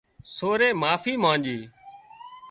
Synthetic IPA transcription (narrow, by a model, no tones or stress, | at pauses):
soːɾeːmaːfiːmãːnd͡ʒiː